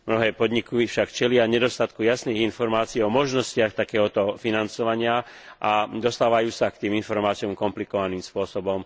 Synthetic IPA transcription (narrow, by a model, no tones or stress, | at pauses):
mnɔɦɛːpɔd̪ɲikifʃakt͡ʃɛlɪaɲɛd̪ɔst̪at̪kujasniːɣinfɔɾmaːt͡siːɔmɔʒnɔscɪaxt̪akɛːɦɔt̪ɔfinant͡sɔʋaɲɪaʔad̪ɔst̪aːʋajuːsakt̪iːminfɔɾmaːt͡sijɔmkɔmplikɔʋaniːmspʊɔsɔbɔm